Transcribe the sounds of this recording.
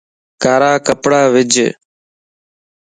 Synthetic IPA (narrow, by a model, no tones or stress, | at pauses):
kaːɾaːkəpɽaːʋɪd͡ʒʱ